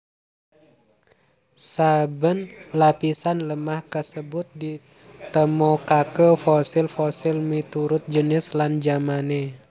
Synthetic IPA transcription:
sabənlapisanləmahkəsəbʊt̪̚di | t̪əmɔkakəfosɪlfɔsɪlmit̪uɾʊt̪̚d͡ʒənɪsland͡ʒamane

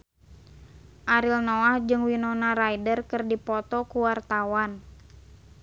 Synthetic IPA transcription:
ʔaɾilnɔahd͡ʒɨŋwinɔnaɾajdərkɨrdipɔt̪ɔkuwart̪awan

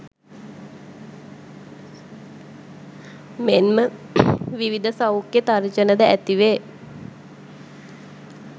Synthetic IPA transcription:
menmə | ʋiʋid̪əsaukːet̪aɾd͡ʒənəd̪əæt̪iʋe

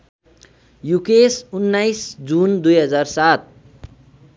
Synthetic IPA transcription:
jukesunːajsd͡zund̪ujɦʌd͡zarsat̪̚

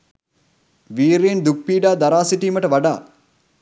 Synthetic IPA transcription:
ʋiːɾeːnd̪uk̚piːɖaːd̪aɾaːsiʈiːməʈəʋaɖa̰ː

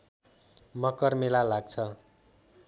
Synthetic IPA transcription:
mʌkʌrmelalaɡ̚t͡sʰʌ

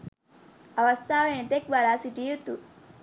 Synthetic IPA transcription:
ɐʋəst̪ʰaʋenit̪ek̚d̪aɾasiʈ̪ijut̪u

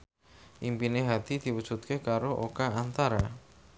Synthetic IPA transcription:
ʔimpineɦat̪id̪̥iwu̥ʒ̥ut̪̚kekaɾoʔokaant̪aɾa

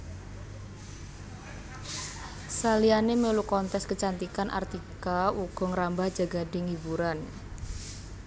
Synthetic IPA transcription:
salianemelukɔnt̪ɛskət͡ʃant̪ikanʔa̰rt̪ikauɡ̥ɔ̤ŋəɾambahd͡ʒ̥a̤ɡa̤dɪŋibuɾan

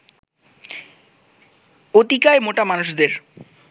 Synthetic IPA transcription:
ot̪ikaemoʈamanuʃd̪eɾ

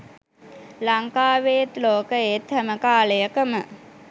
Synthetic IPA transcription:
laŋkaːʋeːt̪loːkəet̪hæməkaːləjəkəmə

